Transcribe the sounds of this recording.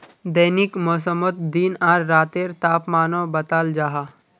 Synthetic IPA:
d̪ɐnɪkmɔːs̬əmət̪̚d̪iːnaːɾːaːt̪eːɾt̪aːpmaːnõbɐt̪aːld͡ʒaːɦaː

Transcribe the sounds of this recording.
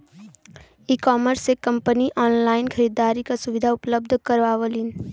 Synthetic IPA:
iːkɔːməɾsekɐ̃mpəniʔɔːnlaːɪnkʰɐɾiːd̪aːɾikasʊʋɪd̪ʱaʊpləb̚d̪ʱkəɾʋaːʋəliːn

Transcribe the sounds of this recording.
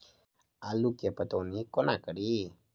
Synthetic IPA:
alukapət̪onikɔnakəɾi

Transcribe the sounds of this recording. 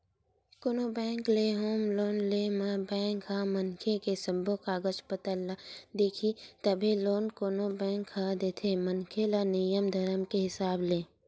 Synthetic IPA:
koːnoːbɛ̃ːŋkleɦoːmloːnleːmabɛ̃ːŋkɦamənkʰekesəmbʱokaɡət͡ʃpət̪əlad̪eːkʰit̪əbʱiloːnkoːnobɛ̃ːŋkhad̪eːt̪ʰemənkʰelanɪjəmd̪ʱɐɾəmkeɦɪsaːbleː

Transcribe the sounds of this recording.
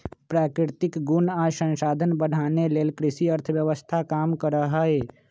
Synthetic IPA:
pɾakɾɪɾt̪ɪkɡunasə̃nsad̪ʱənbəɽ̤aneleːlkɾɪsiəɾt̪ʰəbjəʋəst̪ʰakamkəɾəɦəe

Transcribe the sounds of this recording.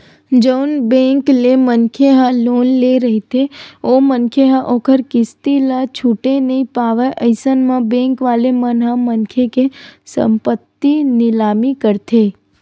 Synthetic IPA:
d͡ʒəʊnbẽːŋklemənkʰeɦãloːnleɾəɦit̪ʰeomənkʰeɦãʔoːkʰəɾkɪst̪ilat͡ʃʰuːʈenəĩpaːʋeʔəɪsənmãbɛ̃ːŋkʋaːlemənɦãmənkʰekesə̰̃mpət̪ːinɪlaːmikəɾt̪ʰe

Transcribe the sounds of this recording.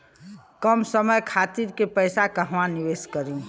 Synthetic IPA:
kəmsəməjkʰat̪iɾkepəjsakəɦʋãniʋeskəɾũ

